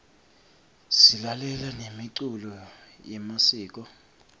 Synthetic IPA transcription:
silalɛlanemiǀulɔ | jɛmasiːk̬ʼɔ

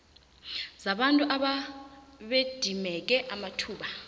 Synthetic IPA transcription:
z̥aɓantʼuʔaɓa | ɓed̥ʱimɛk̬ɛʔamatʰuːɓa

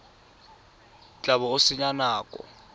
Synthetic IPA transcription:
t͡ɬʼaβɔʊsɪɲanaːkʼɔ̰

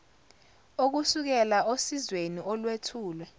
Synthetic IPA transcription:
ok̬usuk̬ɛlaosizweniʔɔlwetʰuːlwɛ

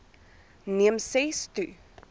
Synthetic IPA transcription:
niəmsɛstu

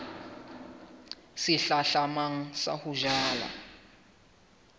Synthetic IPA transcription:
siɬaɬamaŋ̩sa̰huʒaːla̰

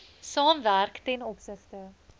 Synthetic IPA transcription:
sɑːmværktɛnɔpsəχtə

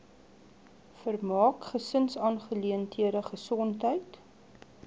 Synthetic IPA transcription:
fərmɑːkχəsənsɑːnχəliəntʰiəɾəχəsɔntɦəjt

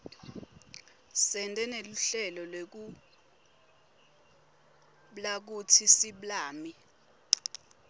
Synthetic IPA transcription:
sɛntʼɛneluɬɛlɔlwek̬u | ɓlak̬utʰisiɓlaːmi

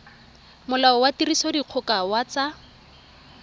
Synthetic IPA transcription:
mʊlaɔwatirisɔdiq͡χʰʊkawat͡sa

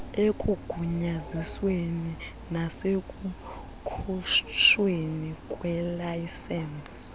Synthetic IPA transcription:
ekʼuɡ̥ʱuɲazisweni | nasekʼu | kʰut͡ʃwenikʼwɛlajsɛns

